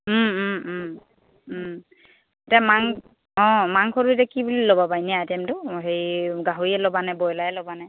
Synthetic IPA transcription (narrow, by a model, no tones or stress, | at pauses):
etiamaŋ | ɔ̃maŋkʰɔɹuetakibulilobabajnɛajtɛmtʊɦejɡaɦoiɛlɔbanajbɔjlajɛlɔbanaj